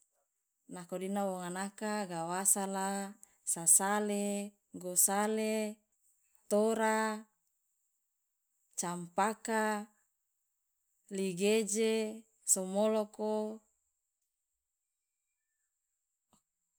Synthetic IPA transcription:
nakodinawoŋanakaɡawasala | sasale | ɡosale | t̪oɾa | t͡ʃampaka | liɡed͡ʒe | somoloko

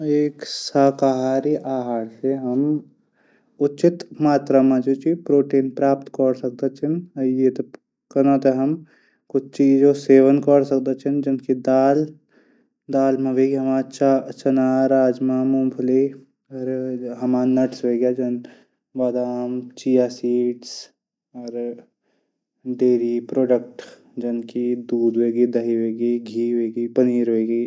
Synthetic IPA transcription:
eːksaːkaɦaːɾiʔaːɦaːɾseɦɐm | ʊt͡ʃɪt̪maːt̪ɾamãd͡ʒot͡ʃʰipɾoːʈeːnpɾaːpt̪kɔɾsək̚d̪at͡ʃʰinɐjet̪ | kɐnat̪eɦɐm | kʊt͡ʃʰt͡ʃiːd͡ʒoseːʋənkəɽsək̚d̪ət͡ʃʰind͡ʒɐnkid̪aːl | d̪aːlmẽʋeɡiɦəmaːt͡ʃt͡ʃɐnaːɾaːd͡ʒmamʊmpʰli | ɔɾɦɐmaːnɐʈsɦeːɡjad͡ʒɐn | ʋaːd̪aːmt͡ʃiːjaːsiːʈs | ɔːɾ | ɖeːɾipɾoːɖək̚ʈ | d͡ʒɐnkid̪uːd̪ʋeːɡid̪ɐɦiɦeːɡiɡʱiːɦoeːɡipɐniːɾɦoeːɡiː

